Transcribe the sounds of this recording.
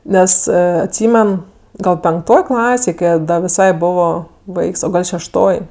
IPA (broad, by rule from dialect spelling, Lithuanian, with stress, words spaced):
ˈnʲɛs ɐtʲˈsʲiːmʲɛn ˈɡɐlˠ pʲɛŋkˈtoːj ˈklˠɑːsʲeːj ˈkɐɪ ɐ ˈdɐ ʋʲɪˈsɐɪ ˈboːʋoː ˈʋɐɪks oː ˈɡɐlˠ ʃʲɛʃˈtoːj